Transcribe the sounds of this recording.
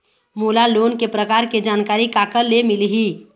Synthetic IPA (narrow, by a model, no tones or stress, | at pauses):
moːlaloːnkepɾəkaːɾked͡ʒaːnkaːɾikakəɾlemɪliɦi